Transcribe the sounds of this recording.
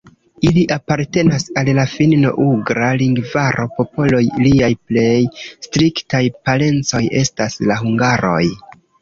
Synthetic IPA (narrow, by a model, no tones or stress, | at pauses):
iliʔapaɾte̞nasallafinno̞̰ʔuɡɾaliŋɡvaɾo̞po̞po̞lo̞jliajple̞jstɾiktajpale̞nt͡so̞je̞staslaɦuŋɡaɾo̞̰j